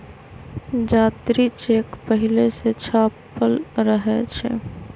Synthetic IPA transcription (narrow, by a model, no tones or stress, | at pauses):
d͡ʒaːt̪ɾit͡ʃeːkpəɦileset͡ʃʰaːpəlɾəɦɛt͡ʃʰɛ̰